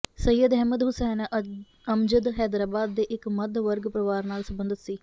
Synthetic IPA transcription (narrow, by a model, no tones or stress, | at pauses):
səjːəd̪ɦɛːməd̪ɦʊsɛːn | əmd͡ʒəd̪ɦɛːd̪ɾaːbaːd̪ːeːʔɪkməd̪ʋəɾɡpɾəʋaːɾnaːlsəmbənd̪ət̪siː